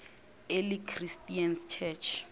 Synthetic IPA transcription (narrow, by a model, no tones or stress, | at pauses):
elikʰristʼianst͡ʃʰɛt͡ʃʰ